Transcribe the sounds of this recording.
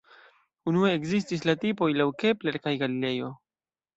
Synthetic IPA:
unue̞ːkzis̬tis̬latipo̞jlawke̞ple̞ɾkajɡalile̞jo̞

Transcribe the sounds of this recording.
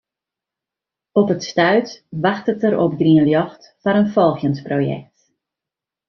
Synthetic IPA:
ɔpətstœɥtʋaxtətəɾɔ̰p̚ɡriənljɔxt | faɾənfɔlˠxjənsprojɛ̰k̚t

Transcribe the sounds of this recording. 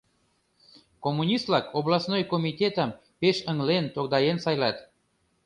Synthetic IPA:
komːunʲist̪lɑkʰoβlɑsnojkomʲit̪ʲet̪əm | peʃəŋlent̪okd̪ɑjensɑjlɑt̪

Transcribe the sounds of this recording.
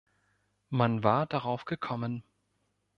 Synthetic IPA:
manvaːɐd̥aʁaʊfɡ̥əkʰɔmən

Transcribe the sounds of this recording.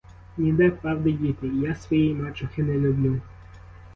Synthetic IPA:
nʲid̪ɛpɾɑwd̪ɐdʲit̪ɪjasʋɔjijmɑt͡ʃʊxɪnɛlʲʊblʲu

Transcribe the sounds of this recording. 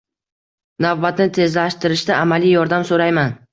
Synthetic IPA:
navbat̪nɪt̪ʰe̞zlaʃt̪ɪɾɪʃd̪aamalijjɒɾd̪amsoɾajman

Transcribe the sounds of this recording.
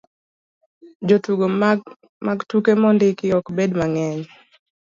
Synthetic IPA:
d͡ʒotuɡo | maɡtukemɔndɪkɪɔkbedmaŋɛɲ

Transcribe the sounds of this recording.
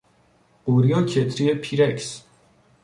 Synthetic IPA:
uɾiɔt͡ʃʰɛt̪ʰʼɾiɛpʰiɾɛks

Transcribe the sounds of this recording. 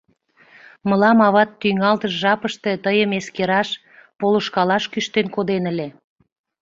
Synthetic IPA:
məlɑmɑβɑt̪ːyŋɑlt̪əʃʒɑpəʃt̪e̽t̪əjəmeskeɾɑʃ | poloʃkɑlɑʃkyʃt̪enkod̪enəle

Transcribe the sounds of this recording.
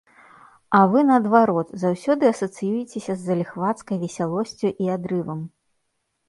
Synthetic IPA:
ɐvɨnɐːd̪vaɾɔt̪zawsʲɔd̪ɨɐsɐt̪sɨjujɛt͡sʲesʲɐzːɐlʲixvat̪skɐjvʲɛsʲalˠɔsʲt͡sʲuʔiad̪ɾɨvɐm

